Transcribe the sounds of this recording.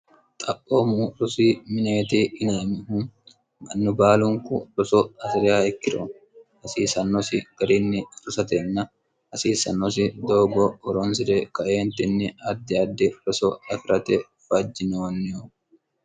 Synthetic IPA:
t̪ʼɐpʼːoːmuɾʊsiːmɪneːt̪iːɪnemɪhʊn | mɐnːʊbaːlʊŋkʊɾɔsɔɐsɪɾɪjaːɛkːɪɾo | hɐsiːsɐnːɔsɪɡ̥ɐɾɪnːɪɾʊsɐt̪ɛnːɐ | hɐsiːsɐnːɔs̬ɪd̪oːɡɔːɾɔns̬ɪd̪ɛkɐʔeːnt̪ɪnːɪɐd̪ːɪɐd̪ːɪɾɔsɔɐfɪɾʔɐt̪ɛ | fɐd͡ʒːɪnɛwɐnːɪu

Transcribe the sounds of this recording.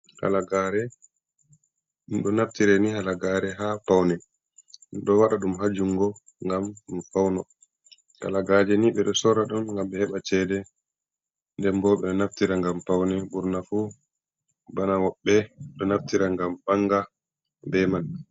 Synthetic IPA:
ha̰laɡaɾɛ | ɗumɗɔnaftiɾɛnihalaɡaːɾɛɦaːpawnɛ | ɗɔwaɗaɗumɦad͡ʒuŋɡɔ | ŋɡamfawnɔ | ta̰laɡad͡ʒɛniɓɛɗɔsɔɾaɗumŋɡamɓɛhɛɓat͡ʃɛdɛ | ndɛmbɔɓɛɗɔnaftiɾaŋɡampawnɛɓuɾnafu | banawɔɓːɛɗɔnaftiɾaŋɡambaŋɡa | bɛman

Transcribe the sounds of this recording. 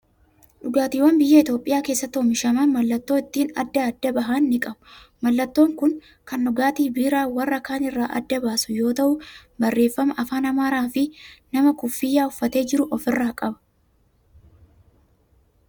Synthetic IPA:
ᶑʊɡaːt̪iːwɐnbɪjːɐɪt̪jo̞ːpʼɪjaːke̞ːsːɐt̪oːmɪʃɐmɐnmɐlːɐt̪ːo̞ːɪt̪ːiːnɐ̰d̪ːɐːd̪ːɐbɐɦɐnːɪkʼɐbʊ | mɐlːɐt̪ːo̞ːŋkʊŋ | kɐnːʊɡaːt̪iːbiːɾaːwɐrːɐkaːnɪrːaːʔɐ̰d̪ːɐbaːsʊjo̞ːt̪ɐʔʊbɐrːe̞ːfːɐmɐʔɐfaːnɐmaːɾaːfɪnɐmɐkʊfːɪjːaːʊfːɐt̪e̞ːd͡ʒɪɾʊʔɔfɪrːaːkʼɐbɐ̥

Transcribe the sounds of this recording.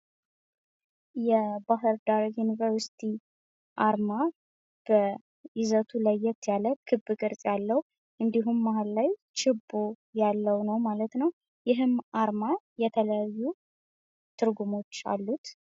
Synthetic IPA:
jɛbaɦɨɾd̪aɾjunivəɾsi̥t̪ʰi | ʔaɾma | b̥ə | ʔɪzət̪ʰuləjːɛt̪jaləkʰɨbːɨɡʼɨɾsʼjalːəwu | ʔɨnd̪iɦumːaɦallajt͡ʃʰɪbːo | jalːəwnəwmalət̪nəw | jɪɦɨmaɾmajɛt̪ʰələjajːu | t̪ʰɨɾɡumo̞t͡ʃːa̰lːut̪

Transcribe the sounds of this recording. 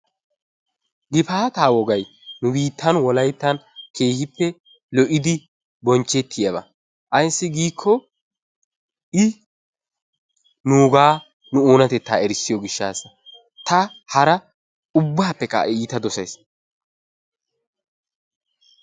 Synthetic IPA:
ɡɪfaːt̪aːwɔɡɐj | nʊbiːt̪ːɐnwɔlɐjt̪ːɐnkʰe̞ːhɪpːɛ | lɔʔɪd̪ɪ | bɔnt͡ʃːɛt̪ʰːɪjɐbɐ̰ | ʔɐjsːɪɡiːkʰːɔ | ʔɪ | nuːɡaː | nʊoːnɐt̪ɛt̪ːa̰ːɛɾɪsːɪjɔɡɪʃːaːsɐ | t̪ɐhɐɾɐ | ʊbːaːpːɛka̰ːʔɛiːt̪ɐd̪ɔsɐjs

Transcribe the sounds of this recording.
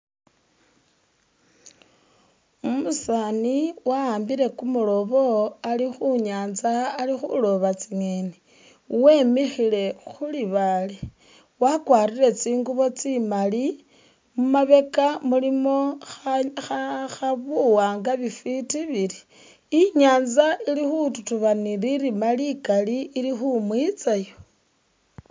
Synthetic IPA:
umusaniwaaːmbiɾe̞kumulo̞βo̞alixuɲaːnzaːlixṵlo̞βat͡siŋene | we̞ːmixile̞xuliβale | wakwaːɾiɾe̞t͡siːŋɡuβo̞t͡simali | mumaβe̞kamulimo̞ | xxaβuwaːŋɡaβifitiβiɾi̥ | iɲaːnzaʔilixututuβaniɾiɾimalikaliːɾixumwit͡sajo

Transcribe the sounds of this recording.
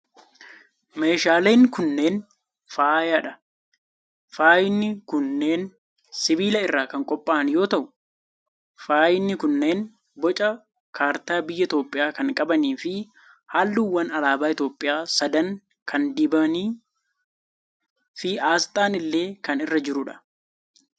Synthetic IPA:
me̞ːʃaːleːŋkʊnːe̞ːn | faːjɐᶑɐ | faːjɪnːɪkʊnːe̞ːn | sɪbiːlɐɪrːaːkɐŋkʼɔpʼːaːɐnjo̞ːt̪ɐʔʊ | faːjɪnːɪkʊnːe̞ːn | bɔt͡ʃʼɐ | kʰaːɾt̪aːbɪjːɐɪt̪o̞ːpʼːɪjaːkɐŋkʼɐbɐniːfɪ | haːlːuwːɐnɐlaːbaːɪt̪o̞ːpʼːɪjaːsɐd̪ɐŋ | kʰɐnd̪ɪbɐniː | fɪaːst̪ʼaːnɪlːe̞ːkɐnɪrːɐd͡ʒɪɾʊᶑɐ̥

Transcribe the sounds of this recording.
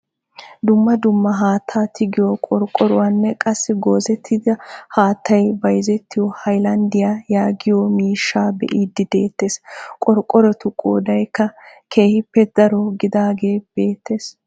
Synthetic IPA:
d̪ʊmːɐd̪ʊmːɐɦaːt̪ʰːaːt̪ʰɪɡɪjɔkʼɔɾkʼːɔɾʊwɐnːɛkʼɐsːɪɡoːzɛt̪ʰːɪd̪ɐhaːt̪ːɐjbɐjzɛt̪ːɪjɔhɐjlɐnd̪ɪjaːjaːɡɪjɔmiːʃːaːbɛ̰ʔiːd̪ːɪd̪e̞ːt̪ːe̞ːskʼɔɾkʼːɔɾɔt̪ʊkʼoːd̪ɐjkːɐkʰe̞ːhɪpːɛd̪̥ɐɾɔɡɪd̪aːɡe̞ːb̥e̞ːt̪ʰːe̞ːs

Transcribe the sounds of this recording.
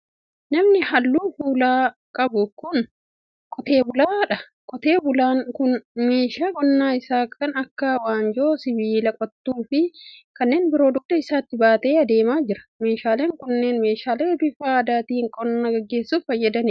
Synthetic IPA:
nɐmnɪhɐlːuːfuːlaːkʼɐbʊkʊn | kʼɔt̪e̞ːbʊlaːᶑɐ | kʼɔt̪e̞ːbʊlaːŋkʊnmeːʃaːɡʼɔnːaːɪsaːkʰɐnɐkːɐwaːnd͡ʒo̞ːsɪβiːlɐkʼɔt̪ːuːfɪkɐnːe̞ːnbɪɾo̞ːd̪ʊk̚d̪ɐɪsaːt̪ːɪbaːt̪e̞ːɐd̪e̞ːmaːd͡ʒɪɾɐ̥me̞ːʃaːleːŋkʊnːe̞ːnme̞ːʃaːleːbɪfaːɐd̪aːt̪iːŋkʼɔnːaɡɐɡːe̞ːsːuːffɐjːɐd̪ɐnɪ

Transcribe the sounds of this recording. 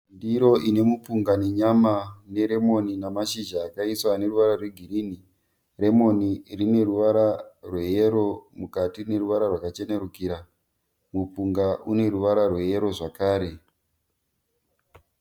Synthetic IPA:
ndiɾo̞ʔine̞mupuŋɡane̞ɲamane̞ɾe̞mo̞ninamaʃid͡ʒaːkaiswane̞ruʋaɾarwe̞ɡʱiɾini | re̞mo̞nirine̞ruʋaɾarwe̞jeɾo̞mukatine̞ruʋaɾarwakat͡ʃe̞ne̞ɾukiɾa | mupuŋɡaʔune̞ɾuʋaɾarwe̞je̞ɾo̞ʐakaːɾe̞

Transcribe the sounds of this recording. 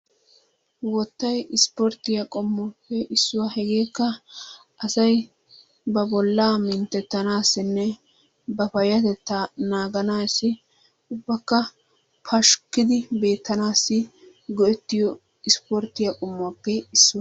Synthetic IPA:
wɔt̪ːɐjɪspɔɾt̪ɪjɐkʼɔmːɔpːɛʔɪsːʊwahɛɡe̞ːkːɐ | ɐsɐj | bɐbɔlːaːmɪnt̪ːɛt̪ːɐnaːsːɪnːɛ | bɐpɐjɐt̪ɛt̪ːanaːɡɐnaːsːɪ | ʊbːɐkːɐ | pʰɐʃkːɪd̪ɪbe̞ːt̪ːɐnaːsːɪ | ɡɔʔɛt̪ːɪjɔ | ɪspɔɾt̪ːɪjɐkʼɔmːɔpːɛɪsːʊwɐ

